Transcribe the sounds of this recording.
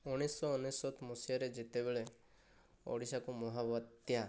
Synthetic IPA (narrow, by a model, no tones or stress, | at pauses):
ɔɽ̃isɔɔnesɔt̪ʰmusijaɾed͡ʒit̪ebeɭe | ɔ̰ɽisakumɔɦabɔt̪ja